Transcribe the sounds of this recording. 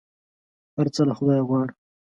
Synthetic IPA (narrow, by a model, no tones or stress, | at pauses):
haɾt͡səlaxʊd̪ɑjɣwɑɽ